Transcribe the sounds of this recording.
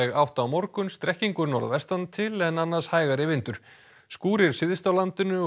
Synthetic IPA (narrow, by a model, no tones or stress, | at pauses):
ɛɣawht̪awmɔɾkʏnst̪ɾɛhciŋkʏɾnɔ̰ɾa̰vɛst̪ant̪ʰɪlɛnanːaɾ̥shaːjɣaɾɪvɪnt̪ʏɾ̥ | skuːɾɪɾ̥sɪðɪst̪awlant̪ɪnʏ